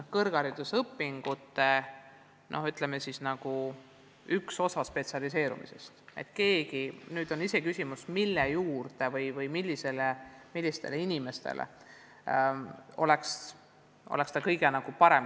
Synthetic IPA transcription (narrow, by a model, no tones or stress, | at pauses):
kɤrɡ̥ɑɾid̪̥usɤpːiŋɡ̥ut̪ːe̞ | nʔo̞hyt̪ˑlemesisnɑɡ̥u | ykso̞sɑspe̞t̪siɑlis̬e̞ːɾṵmḭse̞̰st̪e̞̰t̪ːˑke̞ːɡinyːd̪o̞nise̞kysʲimusmilːejuːrd̪̥e̞vɤjvɤjmilʲːise̞lemilːist̪e̞leinime̞st̪ḛlḛ | o̞̰le̞ks | ʔo̰le̞kst̪ɑkɤjɡ̥e̞nɑɡ̥upɑɾe̞m